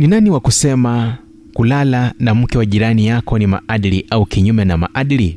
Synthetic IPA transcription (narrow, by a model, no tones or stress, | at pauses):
ninaniwakusɛma | kulalanam̩kɛwaʄiɾanijakɔnima̰ʔaɗiliʔaukiɲumɛnama̰ʔaɗili